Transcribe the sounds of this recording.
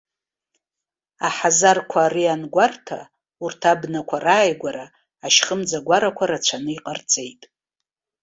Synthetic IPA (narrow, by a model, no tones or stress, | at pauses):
aħazarkʷʰaːɾianɡʷartʰa | urtʰabnakʷʰaraːjɡʷaɾaː | ʃχəmd͡zaɡʷaɾakʷʰaɾat͡ɕʷʰanɨiqʼərt͡sʼejtʼ